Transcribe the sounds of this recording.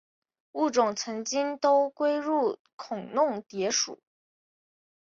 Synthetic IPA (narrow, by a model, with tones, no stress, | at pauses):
u˥˩ʈ͡ʂʊ˨˩ŋt͡sʰɤ˧˥ŋt͡ɕi˥ŋt̪o˥ʊkwe˥ɪɻu˥˩ | kʰʊ˨˩ŋnʊ˥˩ŋt̪jɛ˧˥ʂṵ˨˩˦